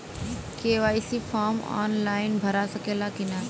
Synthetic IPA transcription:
keːʋaːisifaːɾma̰ːnlaːɪnbʱɐɾasɐkʰelakɪna

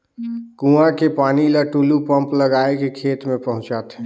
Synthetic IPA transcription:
kũãkepaniləʈulupəmpləɡaekekʰet̪mẽpəɦʊ̃t͡ʃat̪ɛ

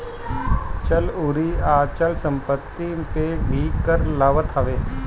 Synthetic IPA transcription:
t͡ʃɐlʊɾiaːt͡ʃəlsə̃mpət̪ːipeːbʱiːkəɾlɐʋət̪ʰɐʋeː

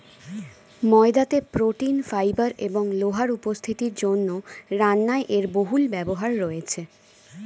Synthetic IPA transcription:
mɔed̪at̪epɾoʈinfajbaɾeboŋloɦaɾupost̪ʰit̪iɾd͡ʑonːoɾanːaeʔeɾboɦulbɛboɦaɾːoet͡ɕʰe

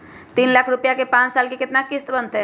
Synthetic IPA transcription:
t̪iːnlakʰɾupjakepãt͡ssalkikit̪nakist̪bənd̪t̪e

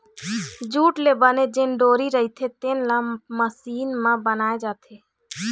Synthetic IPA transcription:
d͡ʒuːʈlebəned͡ʒenɖoːɾiɾəɦit̪ʰet̪enlãməsiːnmãbənaːed͡ʒaːt̪ʰe

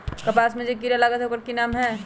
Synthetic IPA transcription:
kɐpaːsmẽd͡ʒek̬iɾjalaːɡət̪ɦokəɾkinaːmɦɛ̃ː

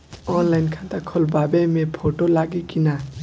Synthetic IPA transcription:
ɔnlajnkʰãnt̪akʰɔlbabemepʰoʈolaɡikina

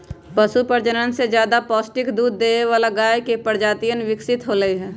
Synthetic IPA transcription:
pəʃupəɾd͡ʒənənsed͡ʒjaːd̪apɔːsʈɪkd̪uːd̪ːeːeʋaːlaɡaːjkepəɾd͡ʒaːt̪ijənʋɪksɪt̪ɦoɾəiɦɛː

